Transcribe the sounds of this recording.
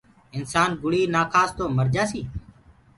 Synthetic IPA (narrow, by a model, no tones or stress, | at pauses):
ɪnsaːnɡʊɽiːnaːkʰaːst̪oːməɾd͡ʒaːsiː